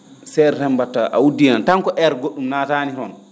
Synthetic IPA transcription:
sɛɾhɛmbatːaʔa̰wudinantaŋkɔʔɛɾɡoɗːumnaːtaːniɦɔn

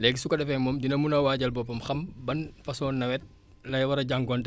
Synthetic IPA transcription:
lɛɡsukɐɗɛfɛmɔmdinɐmunɐwaːɟɐlbɔpːɐmxɐmbɐnfɐsɔːnːɐwɛt̚ | lɐjwɐɾɐɟaŋɡɔnt

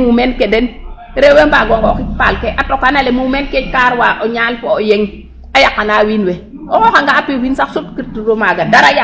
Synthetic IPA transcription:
umenkeden | ɾewembaɡɔŋɡokitpalkeʔatokanalemuumenketkaɾwaʔoɲalfɔojeŋ | ajakːanaːwinwe | okokaŋɡaːpiwinsaksutkiɾtiɾomaɡadaɾaja

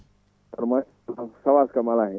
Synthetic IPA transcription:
tɐɾma | sɐʋaːskamalaɦɛ

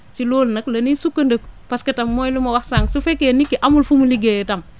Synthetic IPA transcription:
t͡ʃiloːlnɐklɐnisukːɐndəkpaskɐtɐmːojlumɐwahsaŋsufekenikːiʔamulfumuliɡejtɐm

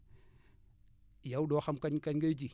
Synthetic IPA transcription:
jawɗoxamkaɲkaɲɡajd͡ʒi

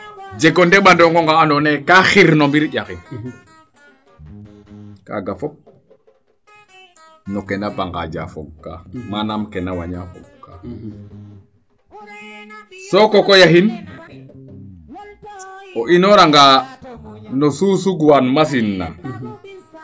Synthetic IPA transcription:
d͡ʒeɡondeɓandoŋɡoŋɡaːnonekaxiɾnombiɾɟaxin | ka̰ɡafɔp̚ | nokenabaŋɡa̰ɟa̰fo̰ɡka̰manamkenawa̰ɲafɔ̰ɡkːa | sokokojaɦin | oʔinoɾaŋɡaː | nosusuɡwanmas̬inːa̰

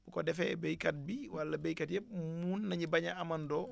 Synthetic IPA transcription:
bukɔdɛfɛbejkat̚biwalːabejkatjɛmunːaɲibaɲaamandɔː

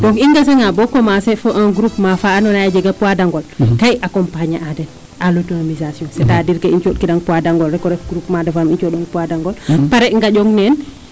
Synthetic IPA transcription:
dɔŋkiŋɡas̬eŋabɔkɔmasɛfɔʔãɡuɾupmafaːnɔnajad͡ʒɛɡapuadaŋɡɔlkajakɔmpaɲaʔadɛt | ʔalotoamizasiɔ̃nsɛtadiɾkaint͡ʃɔd̚kidaŋpuadaŋɡɔlrɛkɔɾɛfɡɾupmadafamint͡ʃɔdɔŋpuadaŋɡɔlpaɾɛŋɡaɟɔŋnɛn

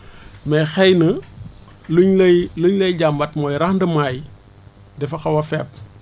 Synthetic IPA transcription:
mɛxɛjnə | luɲljluɲlɐjɟambɐtmɔːjɾɐxndɐmaːj | dɛfɐxɐwɐfɛp̚

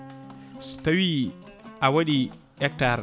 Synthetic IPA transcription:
stawiʔawaɗi | ɗɛk̚taɾ

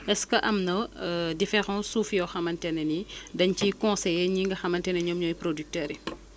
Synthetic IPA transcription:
ɛskəʔɐmnɐdifɛɾɑ̃sufjɔxɐmɐntɛnɛnidɐɲcikɔ̃sɛjɛɲiŋɡɐxɐmɐntɛnɛɲɔmɲɔjpɾodyk̚tɛːɾi

